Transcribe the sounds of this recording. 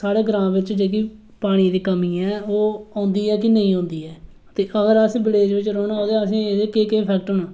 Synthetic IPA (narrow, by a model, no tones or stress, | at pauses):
saːɽeːɡɾãːmʋɪt͡ʃd͡ʒeːk̬iː | paːɽ̃iːd̪iːkəmĩːɛ̃ːoːãːnd̪iːɛːkɪnə̃ĩːõːnd̪iːɛː | t̪eːʔəɡəɾəsbɪleːd͡ʒʋɪt͡ʃɾoːɽnaoːd̪eəsĩːeːd̪ekeːkeːpʰɛːkʈɦʊːnãː